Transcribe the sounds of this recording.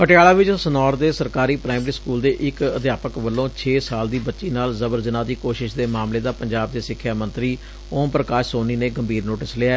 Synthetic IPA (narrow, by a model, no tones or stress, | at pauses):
pəʈɪjaːlaːʋɪt͡ʃsənɔːɾd̪eːsəɾkaːɾiːpɾaːimɾiːskuːld̪eːʔɪkəd̪jaːpəkʋəlːõːt͡ʃʰeːsaːld̪iːbətːʃiːnaːlzəbəɾzɪnaːd̪iːkoːʃɪʃd̪eːmaːmleːd̪aːpəɲd͡ʒaːb̚d̪eːsɪkʰːjaːmə̃nt̪ɾiː | õːpɾəkaːʃsoːniːneːɡəmbʱiːɾnoːʈɪslɪaɛː